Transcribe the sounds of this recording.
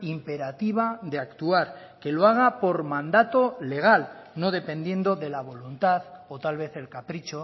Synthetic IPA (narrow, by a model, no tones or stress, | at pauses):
impe̞ɾat̪iβ̞aðe̞akt̪uaɾ | ke̞loaɣ̞apo̞ɾmãnd̪at̪o̞le̞ɣ̞alno̞ð̞e̞pẽ̞nd̪je̞nd̪o̞ðe̞laβ̞o̞lunt̪aðot̪alβe̞θe̞lkapɾit͡ʃo̞